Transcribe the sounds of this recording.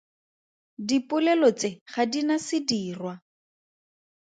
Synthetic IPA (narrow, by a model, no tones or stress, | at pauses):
dipʊlɛlɔt͡sɪχadinasɪdiːrwa